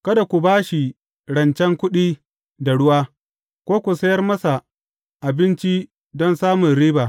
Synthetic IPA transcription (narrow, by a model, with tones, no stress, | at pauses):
kɐ˦da˨kʷu˨baː˦ʃi˨ | ɽɐ˨nt͡ʃɛ˦ŋkʷʊ˦ɗiː˦ | da˨ɽʊ˦waː˦ | kʷoː˦kʷu˨sɐ˦jɐ˦rmɐ˦sa˨ | ʔa˨bɪ˦nt͡ʃi˦ | dɔ˦nsaː˦mʊ˨nɾiː˦baː˨